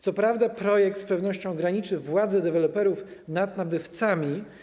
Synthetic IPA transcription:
t̪sɔpɾavd̪apɾɔjɛk̚t̪spɛvnɔɕt͡ɕɔ̃w̃ɡɾaɲit͡ʂɘvwad̪zɛd̪ɛvɛlɔpɛɾufnad̪̚nabɘft̪samʲi

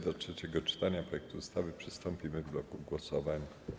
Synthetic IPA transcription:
d̪ɔtʂɛt͡ɕɛɡɔt͡ʂɘ̥t̪aɲapɾɔjɛkt̪uust̪avɘpʂɘst̪ɔmpʲimɘvblɔkuɡwɔsɔvaɲa

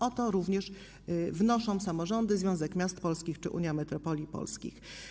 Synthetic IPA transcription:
ɔt̪ɔɾuvɲɛʂ | vnɔʂɔ̃w̃samɔʐɔnd̪ɘzvjɔ̃w̃zɛkmʲjast̪pɔlskʲixt͡ʂɘʔṵɲjamɛt̪ɾɔpɔlʲipɔ̰lskʲḭx

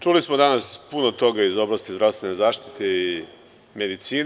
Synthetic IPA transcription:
t͡ʂulismod̪anaspunot̪o̞ɡaizo̞blˠast̪izd̪ɾast̪ʋe̞nezaːʃt̪i̥t̪ei | med̪it̪siːn

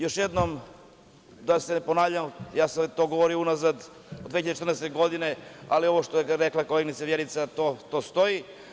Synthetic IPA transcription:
joʃjed̪nom | d̪asenponaːvʎamjaːsaet̪oːɡoʋoɾiounazad̪ | od̪eːçiʎad̪et͡ʃe̥t̪ɾnɛst̪eɡo̞d̪inea̰lio̞ʋoʃt̪ojeɾeklˠakoleɡnit̪saʋjeɾit̪sat̪ot̪ost̪oji

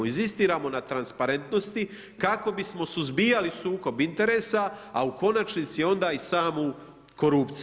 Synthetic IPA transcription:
inzist̪iːɾaːmo̞nat̪ɾanspaɾe̞nt̪no̞st̪i | kako̞bismo̞suzbijalisuːko̞bint̪e̞ɾeːsaauko̞nat͡ʃnit̪sio̞nd̪aːisaːmu | ko̞ɾupt̪s

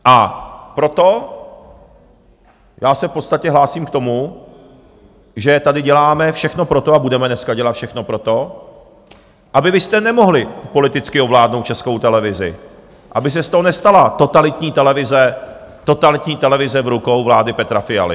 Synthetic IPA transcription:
ʔapɾo̞t̪o̞ | jaːsɛfpo̞t̪st̪acɛɦlaːsiːmkt̪o̞mu | ʒɛt̪adɪɟɛlaːmɛfʃɛxno̞pɾo̞t̪o̞abudɛmɛnɛskaɟɛlat̪fʃɛxno̞pɾo̞t̪o̞ | ʔabɪvɪst̪ɛnɛmo̞ɦlɪpo̞lɪt̪ɪt͡skɪo̞vlaːdnowt̪̚t͡ʃɛsko̞wt̪ɛlɛvɪzɪ̰ | ʔabɪs̬ɛst̪oɦonɛst̪alat̪o̞t̪alɪt̪ɲiːt̪ɛlɛvɪzɛt̪o̞t̪alɪt̪ɲiːt̪ɛlɛvɪzɛvɾukowvlaːdɪpɛt̪ɾafɪja̰lɪ̰

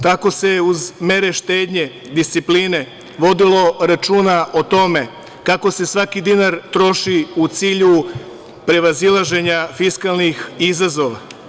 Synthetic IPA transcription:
t̪ako̞se̞uzme̞ɾe̞ʃt̪e̞ːd̪ɲe̞ | d̪ist̪sipline̞ | ʋo̞d̪ilo̞ɾat͡ʃuːnaʔot̪o̞me̞ | kako̞se̞sʋakid̪inaɾt̪ɾo̞ʃiut̪siːʎu | pɾe̞ʋazilˠaʒe̞ɲafiskalˠnixizazo̞ʋa

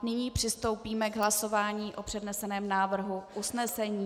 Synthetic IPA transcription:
nɪɲiːpr̝̥ɪst̪o̞wpiːmɛɡɦlaso̞vaːɲiːʔo̞pr̝̥ɛdnɛsɛnɛːmnaːvr̩ɦuʔusnɛsɛɲiː

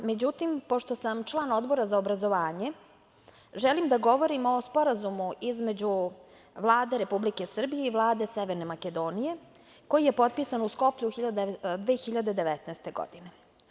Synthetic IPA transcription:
me̞d͡ʑut̪impo̞ʃt̪osamt͡ʃlˠaːnod̪bo̞ɾazaobɾazo̞ʋaːɲe̞ | ʒɛlimd̪aɡo̞ʋo̞ɾimo̞spo̞ɾazumuʔizme̞d͡ʑu | ʋlˠaːd̪e̞ɾe̞publike̞sr̩bije̞iʋlˠaːd̪e̞sɛʋeɾne̞maked̪o̞ːnije̞ | ko̞jije̞po̞t̪̚piːsanusko̞pʎuxiʎad̪d̪ʋeːxiʎad̪e̞d̪eʋɛt̪nɛest̪e̞ɡo̰d̪ine̞

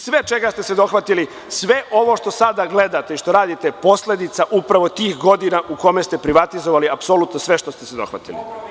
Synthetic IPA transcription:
sʋe̞t͡ʃe̞ɡast̪e̞se̞d̪o̞xʋat̪ili | sʋe̞ʔo̞ʋo̞ʃt̪o̞sad̪aɡle̞d̪at̪eiʃt̪o̞ɾaːd̪it̪e̞po̞sle̞d̪it̪saʔupɾaʋo̞t̪iːxɡo̞d̪inaʔuko̞mest̪e̞pɾiʋat̪izoʋaliapso̞lut̪nosʋe̞ʃt̪ost̪esed̪o̞̰xʋa̰t̪ḭlḭ

